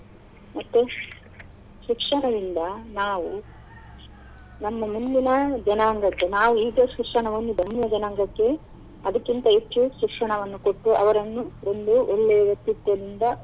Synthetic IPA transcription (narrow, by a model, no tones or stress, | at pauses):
mɐt̪ːu | ʃikʂɐɳɐd̪ind̪ɐnaːʋu | nɐmːɐmund̪inɐd͡ʒɐnaːŋɡɐkːe̞naːʋuiːɡɐʃikʂɐɳɐʋɐnːub̪ʱɐɳijɐd͡ʒɐnaːŋɡɐkːe̞ | ɐd̪ɐkːint̪ɐitːjuʃikʂɐɳɐʋɐnːuko̞ʈːuʔɐ̰ʋɐɾɐnːuo̞nd̪uʔoɭːejɐʋjɐk̚t̪ːit̪jɐd̪ind̪ɐ